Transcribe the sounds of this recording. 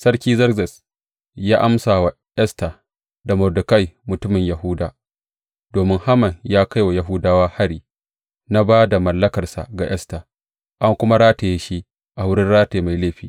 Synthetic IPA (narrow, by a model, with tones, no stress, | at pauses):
sɐ˦rkʲiː˦zɐ˦rzɛ˨s | jaː˦ʔa˦msaː˨wa˨ | jɛ˦sta˨ | da˨mʊ˨rdʊ˨ka˦jmʊ˨tʊ˦mɪ˨ɲjɐ˨ɦʊ˦daː˨ | doː˨mɪ˦ŋha˦mɐ˨njaː˦ka˦jwa˨jɐ˨ɦʊ˦daː˦waː˦ha˦ɽiː˨ | na˦baː˦da˨mɐ˨lːɐ˦kɐ˨rsa̰˨ɡa˨jʔɛ˦staː˨ | ʔa˦ŋkʷʊ˦ma˦ɽaː˦te˨je˦ʃi˦ | ʔa˨wʊ˦ɽɪ˦nɽaː˦teː˨ma˨jleː˦ɸiː˨